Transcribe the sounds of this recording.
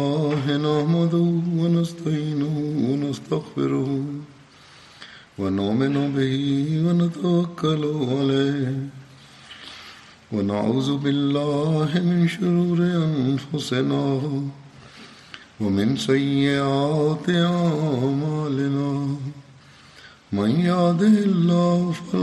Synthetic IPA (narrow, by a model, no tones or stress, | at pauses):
aːɦɪnahmad̪ʊwanast̪aʕiːnʊhwanast̪aɣfɪ̰ɾʊhʊ | wanʊʔmɪnʊbɪhiːwanat̪awakːalʊʕaleːh | wana̰ʕuːðʊbɪlːaːɦɪmɪnʃʊɾuːɾɪʔanfʊsɪnaː | wamɪnsajːɪʔaːt̪ɪʔamaːlɪnaː | manjaːd̪ɪlːaːhʊfɪl